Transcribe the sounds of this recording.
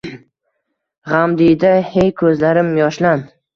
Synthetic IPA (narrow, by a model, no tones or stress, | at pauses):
ʁamd̪ɪd̪ahejkʰɵzlaɾɪmjɒʃlan